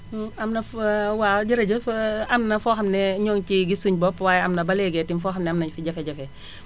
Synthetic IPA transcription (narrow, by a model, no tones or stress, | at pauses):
ɐmnɐfwaɟiɾɐɟəɐmnɐfɔːxɐmnɛɲɔːŋt͡ʃiɡisuɲbɔpːwaːjɐmnɐbɐlɛɡɛtinfɔːxɐmnɛamnɐɲfiɟɐfɛɟɐfɛ